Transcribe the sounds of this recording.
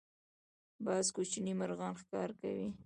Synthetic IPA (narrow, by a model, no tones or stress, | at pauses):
bɑzkot͡ʃnimaɾɣɑnxkɑɾka̰wi